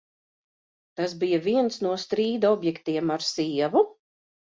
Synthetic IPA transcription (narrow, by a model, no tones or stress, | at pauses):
t̪as̬bijaviɛnsnuɔst̪ɾiːd̪aɔbjɛkt̪iɛmaɾsiɛvu